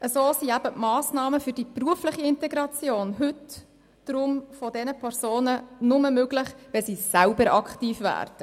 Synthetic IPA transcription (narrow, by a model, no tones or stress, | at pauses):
ʔəsoːsiæb̥əmɑːsnɑːməfɵɾd̥ipruəflɪχiɪntɛɡɾɑt͡sjoːnɦʉt | d̥ɾʊmfɔdɛnəpʰɛɾzoːnənʊməmøɡlɪχʋɛsiːsælbəɾɑkʰtiːfʋæ̰ːrd̥ə